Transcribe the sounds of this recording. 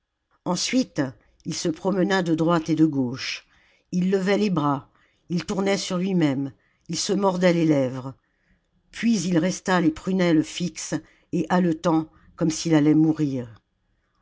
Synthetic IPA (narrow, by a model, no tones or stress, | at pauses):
ɑ̃sɥit̪ | ilsəpχɔmənad̪əd̪ʁwat̪ed̪əɡoʃ | ilːəvɛlebʁa | ilt̪uʁnɛsyʁlɥimɛm | ilsəmɔʁd̪ɛlelɛvʁ | pɥizilʁɛst̪alepχynɛlfiks | eʔalət̪ɑ̃ | kɔmsilalɛmuʁiːʁ